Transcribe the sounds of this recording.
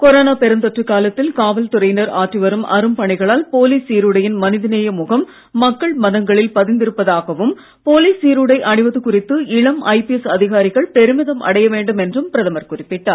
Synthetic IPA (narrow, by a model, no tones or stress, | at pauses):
kɔɾoːnaːpɛɾɐnd̪ɔʈrɯkːaːlɐt̪ːɪlkaːʋɐlt̪ʊɾɐɪnɐɾaːʈrɯʋɐɾɯmʔɐ̰ɾɯmpɐɳɪɣɐɭaːlpoːliːsiːɾɯɽɐjɪnmɐnɪðɯnɐjɐmʊɣɐmː | ɐkːɐɭmɐðɐŋɡɐɭɪlpɐðɪnd̪ɪɾɯpːɐðaːɣɐʋɯm | poːliːsiːɾɯɽɐɪʔɐɳɪʋɐðɯkʊrɪt̪ːɯɪɭɐmʔɐɪpɪɛsɐðɪɣaːɾɪɣɐɭpɛɾɯmɪðɐmʔɐ̰ɽɐjɐʋeːɳɖɯmɛndrɯmpɪɾɐðɐmɐɾkʊrɪpːɪʈːaːɾ